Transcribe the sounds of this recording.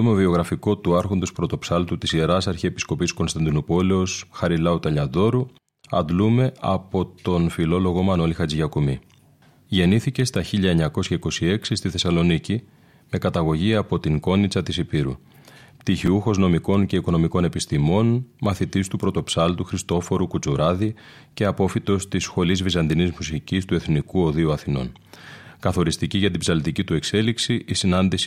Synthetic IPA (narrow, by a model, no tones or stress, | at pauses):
omovio̞ɣɾɐfiko̞t̪uɐɾxo̞nd̪ospɾo̞t̪o̞psɐlt̪ut̪isieɾɐsɐɾçiepi̥sko̞pisko̞nst̪ɐnd̪inopo̞le̞o̞sxɐɾilɐut̪ɐʎɐðo̞ɾu | ɐ̰nd̪lume̞ɐ̰po̞t̪o̞nfilo̞lo̞ɣo̞mɐno̞lixɐd͡ziʝɐkumi | ʝe̞niθice̞st̪ɐçiʎɐe̞ɲɐko̞sçɐiko̞sie̞ksist̪iθe̞sɐlo̞nici | me̞kɐt̪ɐɣo̞ʝiɐpo̞t̪iŋko̞nit͡sɐt̪isipiɾṵ | pt̪içiuxo̞zno̞miko̞nce̞iko̞no̞miko̞ne̞pist̪imo̞nmɐθit̪ist̪upɾo̞t̪o̞psɐlt̪uxɾist̪o̞fo̞ɾukut͡suɾɐði | ce̞ɐpo̞fit̪o̞st̪isxo̞lizvizɐnd̪inizmusicist̪ue̞θnikuo̞ðiuɐθino̞̰n | kɐθo̞ɾist̪iciʝɐt̪ibzɐlt̪icit̪ue̞kse̞liksiʔːsinɐnd̪is